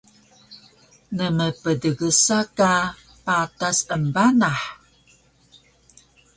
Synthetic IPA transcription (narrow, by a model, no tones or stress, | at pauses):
nəməpədəɡəsaka | patasənbanaħ